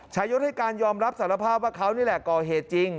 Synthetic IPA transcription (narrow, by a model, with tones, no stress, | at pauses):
t͡ɕʰaː˦˥jo˦˥t̪̚ha˥˩jkaː˧njɔː˧mɾa˦˥p̚saː˩˦ɾa˧pʰaː˥˩p̚waː˥˩kʰa˦˥wniː˥˩lɛ˨˩kɔː˨˩ɦeː˨˩t̪̚t͡ɕi˧ŋ